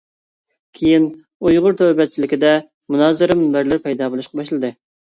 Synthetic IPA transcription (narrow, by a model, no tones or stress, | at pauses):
kʲʰejin | ujʁʊɾt̪ʰøwbɛt̪̚t͡ʃʰilɪkʲɪd̪ɛ | munɑːzɨɾɨmɪnbæɾlɪɾpʰɛjd̪ɑːbolˠuʃqɑbɑʃlˠɨd̪ɨ